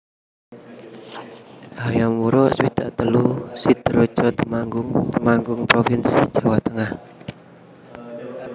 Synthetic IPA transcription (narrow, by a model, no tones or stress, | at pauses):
hajamwuɾɔswit̪a̰ʔt̪əlusid̪̥ɾo̥ʒ̥ɔt̪əmaŋɡʊŋtəmaŋɡʊŋpɾofinsid̥ʒ̥a̤wat̪əŋah